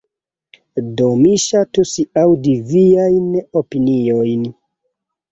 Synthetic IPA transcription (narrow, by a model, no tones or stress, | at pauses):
domiʃatusiawdiviajnopiniojn